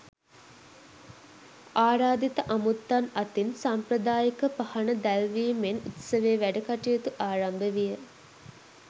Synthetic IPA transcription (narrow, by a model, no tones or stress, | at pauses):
aːɾaːd̪it̪əʔamut̪ːanat̪insampɾəd̪aːjikəpɐhanəd̪ælʋiːmenit̪səʋeːʋæɖɐkaʈijət̪uʔaːɾambəʋijə